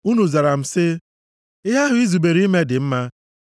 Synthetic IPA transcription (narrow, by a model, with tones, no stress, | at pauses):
u˦nu˨za˨ɾa˨m̩˨sɪ˦ | ɪ˦ɦa˦ɦʊ˦i˦zu˨be˨ɾi˦me˦dɪ˨m̩˦ma˦